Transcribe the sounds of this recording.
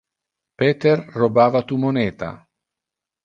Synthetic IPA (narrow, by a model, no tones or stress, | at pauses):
pɛːt̪erːobaːvat̪umonɛːt̪a̰